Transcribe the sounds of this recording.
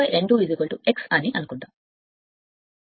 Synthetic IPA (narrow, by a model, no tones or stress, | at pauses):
ɐjɾʔeɳɖuːidiɡoɭʈueksɐniʔɐnukuɳʈ̪aːm